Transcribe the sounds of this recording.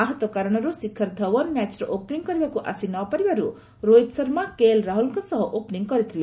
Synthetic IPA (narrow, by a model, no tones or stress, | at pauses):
aɦʌt̪wɔkaɾɔɽ̃ɔɾusikʰːʌɾd̪ʱʌwɔnmat͡ʃɾɔʔopniŋɡkʌɾibakuʔa̰sinɔpʌɾibaɾu | ɾojt̪sʌɾmakelɾaɦulŋkosʌɦʌʔopniŋɡkʌɾit̪ʰile